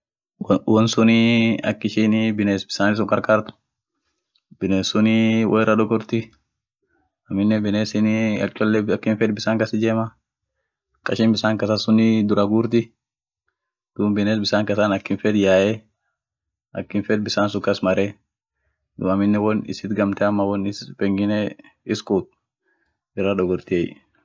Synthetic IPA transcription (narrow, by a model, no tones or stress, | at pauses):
wɔnsʊnɪɐ̰kːɪʃinɪbɪneːsbɪ̥saːnɪs̬ʊŋkʼɐɾkʼaːɾt̪ʊ̥ | b̥ɪneːsʊnɪwʔɔɛrɐd̪ɔɡɔɾt̪ɪ | ɐmɪnːɛbɪneːsɪnɪɐ̰t͡ʃʼɔlːɛɐkːɪnfɛd̪bɪsaːŋkɐsɪd͡ʒeːmɐ | kʼɐʃɪmbɪsaːŋkɐsɐsʊnɪd̪ʊɾɐɡuːɾt̪ɪ | d̪̥uːmbɪneːsbɪsaːŋkɐsaːnɐkːɪnfɛd̪jaːʔɛ | ʔɐkːɪnfɛd̪̚bɪsaːnsʊkɐsmɐɾɛ | d̪ʊɐmɪnːɛwɔnɪ̰sɪt̪ɡɐmt̪ɛɐmːɐwɔnɪspʼɛŋɡɪnɛ | ɪskʼuːt̪̚ | ɪrːɐᶑ̪ɔɡɔɾt̪ɪɛ̰j